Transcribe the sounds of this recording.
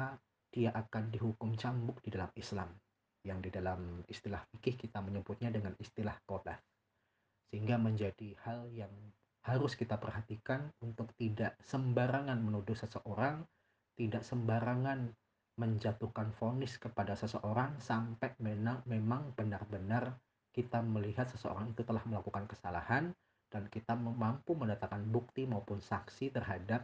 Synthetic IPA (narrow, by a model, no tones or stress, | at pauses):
a | d̥iaʔakandiɦukʊmt͡ʃambʊk̚didalamisla̰m | jaŋdidalamist̪ilahfikɪhkit̪aməɲəbʊt̪̚ɲadəŋanist̪ilahkola̰f | səhiŋɡaməɲd͡ʒadihaljaŋ | haɾʊskit̪apərhat̪ikanunt̪ʊk̚t̪idaʔsəmbaɾaŋanmənudʊhsəsəʔoɾaŋ | t̪idaʔsəmbaɾaŋan | məɲd͡ʒat̪uhkanfonɪskəpadasəsəʔoɾaŋsampɛmenamemaŋbənarbənar | kit̪aməliɦat̪̚səsəo̰ɾaŋit̪ut̪əlahməlakukankə̥sala̰han | d̥ankit̪amampumənat̪akanbuk̚t̪imaupʊnsaksit̪ərɦadap̚